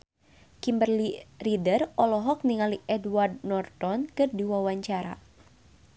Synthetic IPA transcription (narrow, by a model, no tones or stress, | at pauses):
kimbərliridərɔlɔɦɔk̚niŋaliʔɛdward̚nɔrt̪ɔnkɨrdiwawaɲt͡ʃaɾa̰